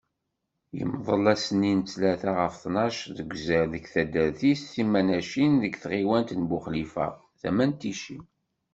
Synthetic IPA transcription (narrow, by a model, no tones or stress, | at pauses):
jə̰mðˤəlæsənːint͡sːlæθæʁəfθnɑʃðəɡʷzəɾðəkθæd̪əɾθisθimænæʃinðəɡθʁiwænt̪nbʊχlifæ̰ | θæmænt̪iʃḭn